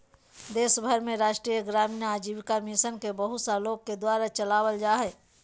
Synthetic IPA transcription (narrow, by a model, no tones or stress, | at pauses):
d̪eːsbʱəɾmẽɾaːʃʈɾijəɡɾaːminəaːd͡ʒiːʋkamisənkebɐɦʊt̪saloːɡ̚ked̪waːɾat͡ʃɐlaːwəld͡ʒaːɦɛː